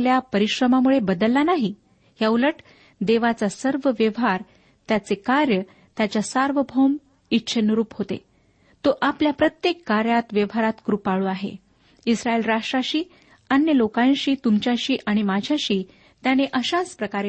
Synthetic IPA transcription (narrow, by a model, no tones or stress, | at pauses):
ljapəɾiɕɾəmamuɭebəd̪əlːanaɦi | ɦjauləʈ | d̪eʋat͡sasəɾʋəʋjəʋɦaɾ | t̪jat͡sekaɾjə | t̪jat͡ɕjasaɾʋəbʱom | itːɕʰənəɾuːpɦot̪ḛ | t̪oʔapljapɾət̪jekːaɾjat̪ʋjəʋɦaɾat̪ɡɾupaɭuaɦḛ | isɾaelɾaʂʈɾaɕiː | ənjəlokãjɕiːt̪umt͡ɕjaɕiːʔaɽ̃imad͡ʑʱjaɕiː | t̪janeʔəɕad͡zpɾəkaɾe